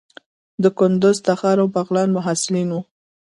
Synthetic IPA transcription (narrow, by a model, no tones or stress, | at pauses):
d̪əkʊnd̪ʊzt̪axɑɾawpaɣlɑnmʊɦasɪlinwu